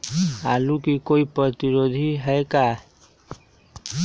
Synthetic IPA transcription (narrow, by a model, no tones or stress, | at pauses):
alukikoipɾət̪iɾod̪ʱiɦɛeka